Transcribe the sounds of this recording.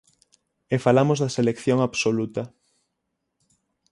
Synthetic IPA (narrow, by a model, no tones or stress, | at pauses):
efalamʊzðɐselekθjoŋaβsolut̪ɐ